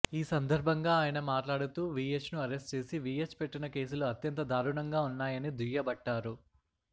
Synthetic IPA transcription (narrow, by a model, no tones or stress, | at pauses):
iːsɐnd̪ɐɾbʱɐŋɡaːjɐnɐmaːʈlaːɽut̪uːʋiːet͡ʃnuɐɾesʈt͡ʃe̞ːsiʋiːet͡ʃpeʈːinɐke̞ːs̬uluɐt̪jɐnt̪ɐd̪aːɾuɳɐŋɡaːunːaːjɐnid̪ijɐbɐʈːaːɾu